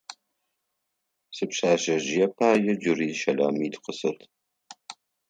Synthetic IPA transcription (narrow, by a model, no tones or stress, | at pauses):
sɨpɕaːʒɐʒɪjɛpʰaːjɐd͡ʒʊriːʃɐla̰ːmiːdqəsɨrtʰ